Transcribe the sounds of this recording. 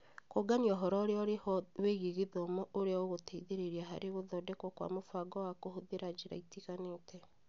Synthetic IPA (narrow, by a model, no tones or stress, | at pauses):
koɡaniɔɦɔɾɔɾeɔɾeweɣeɣeðoomoʔoɾeaoɣoteiðeɾeɾiaɦaɾeɣoðɔdɛkɔkwa̰mofaɡɔwakohoðeɾad͡ʒeɾa̰itiɣanetɛ